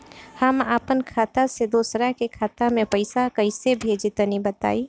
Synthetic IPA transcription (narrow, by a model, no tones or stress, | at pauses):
həmapənkʰaːt̪ased̪oːsɾakekʰaːt̪amẽpəɪsakəɪsebʱeːd͡ʒɪt̪ənibət̪a̰ːi